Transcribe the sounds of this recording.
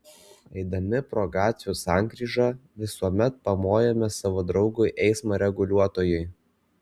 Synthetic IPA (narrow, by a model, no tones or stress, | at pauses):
ɛɪd̪ɐmʲɪpɾoːɡɑːt̪sʲjuːsɑˑŋʲɡɾʲiːʒɑʋʲɪsuɔmʲɛt̪̚pɐmoːjɛmʲɛsɑʋoːd̪ɾɒʊɡʊɪʔɛɪsmɐɾʲɛɡʊlʲuɔt̪oːjɛɪ